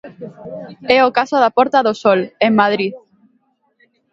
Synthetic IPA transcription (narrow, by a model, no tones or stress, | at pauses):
ɛokasoðapɔɾt̪aðosoleŋmað̞ɾið